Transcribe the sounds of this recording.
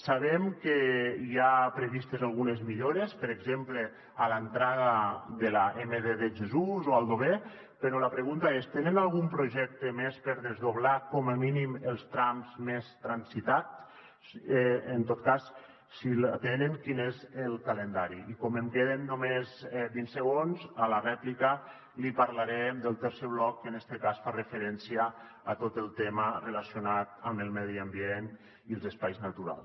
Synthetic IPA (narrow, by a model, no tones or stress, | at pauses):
saβemkeiapɾeβist̪ezalˠɣunezmiʎoɾespəɾeɡzemple | alant̪ɾaɣaðelaʔemeðeðeʒezuzoalˠd̪oβe | peɾolapɾeɣunt̪aest̪enenalˠɣumpɾoʒɛk̚t̪emespeɾðezðoβlakɔməminimelˠst̪ɾamzmest̪ɾansit̪at͡s | ent̪ot̪̚kas | silat̪enəŋkinezəlˠkalend̪aɾiikɔməmkeðenːomezbinsəɣ̞onzalarɛplikə | lipaɾlaɾɛmd̪əlˠt̪əɾseβlɔkːənɛst̪əkasfarəfeɾɛnsiəː | t̪ot̪əlˠt̪emərelasjonat̪əməlˠmɛðiambien | iəlˠzəspajznat̪uɾa̰lˠs